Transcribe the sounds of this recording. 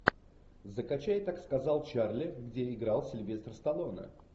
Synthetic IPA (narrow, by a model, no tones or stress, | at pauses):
zəkɐt͡ɕæjt̪akskɐzɑlˠt͡ɕarlʲɪɡdʲeɪɡɾalˠsʲɪlʲvʲe̞st̪rst̪ɐlˠonə̰